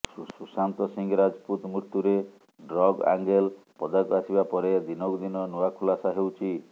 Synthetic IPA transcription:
susant̪ɔsiŋɡɔɾad͡ʒɔput̪mɾuɾt̪ːuɾe | ɖɾɔɡa̰ŋɡelpɔd̪akuasibapɔɾed̪inɔkd̪inɔnuakʰulasaɦewt͡ʃʰi

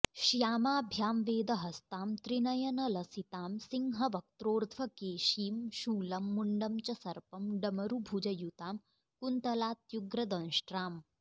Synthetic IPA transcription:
ʃjaːmaːbʱjaːmʋeːd̪ɐɦɐst̪aːmt̪ɾinɐjɐnɐlɐsit̪aːmsiŋɦɐʋɐk̚t̪ɾoːɾt̪ʰʋɐkeːʃiːmʃuːlɐmːuɳɖɐmt͡ʃɐsɐɾpɐmɖɐmɐɾubʱud͡ʒɐjut̪aːm | kunt̪ɐlaːt̪juɡɾɐd̪ɐ̃nʃʈɾaːm

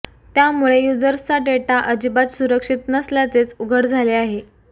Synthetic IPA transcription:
t̪jamuɭejud͡zəɾst͡saʈeʈaʔəd͡ʑibat̪suɾəkʂit̪nəsljat͡set͡suɡʱəɽd͡zʱaleaɦe

